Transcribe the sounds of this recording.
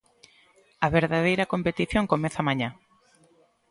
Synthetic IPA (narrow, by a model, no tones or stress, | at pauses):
ɐβeɾðaðejɾɐkompet̪iθjoŋkomẽθamãɲã